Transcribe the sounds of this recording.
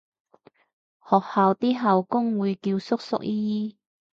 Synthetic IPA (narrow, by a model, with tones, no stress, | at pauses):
hɔː˨k̚haː˨wt̪iː˥ɦaː˨wkʊ˥ŋwuː˨˧jkiː˧wsʊ˥k̚sʊ̰˥k̚ʔiː˥jiː˥